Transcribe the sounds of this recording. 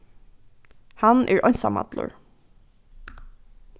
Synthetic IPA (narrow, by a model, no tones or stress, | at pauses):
hɑnʔæːɹʔɔɲsamɑ̰d̪lʊ̰ɹ